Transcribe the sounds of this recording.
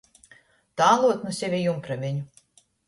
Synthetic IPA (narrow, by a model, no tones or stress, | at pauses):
t̪aːlˠuɔt̪nusʲevʲejumpɾamʲeɲʲu